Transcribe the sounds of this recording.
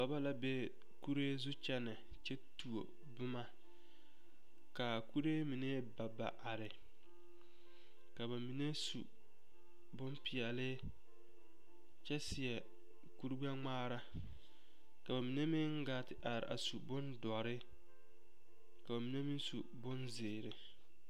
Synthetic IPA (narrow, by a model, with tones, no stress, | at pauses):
ba˦ba˦la˦be˦ | ku˦ɾe˦zu˦t͡ʃɛ˦nɪ˨ | t͡ʃɛ˦tu˨o̰˨ | bʊ˦ma˦ | ka˨ku˦ɾe˦mi˨ne˦ba˨ba̰˨ʔa˨ɾɪ˨ | ka˨ba˨mi˨ne˦sṵ˨ | bʊ˦npi˨ɛ˨lɪ˦ | t͡ʃɛ˦sɪ˨ɛ˨ | ku˦ɾɡ͡ba˦ŋ͡maː˦ɾa˦ | ka˨ba˨mi˨ne˦mɪ˦ŋ˦ɡa˦tɪ˦ʔa˨ɾɪ̰˨ʔa̰˨su˨bʊ˦ndɔ˨ɾɪ˦ | ka˨ba˨mi˨ne˦mɪ˦nsṵ˨bʊ˦nzɪː˨ɾɪ˦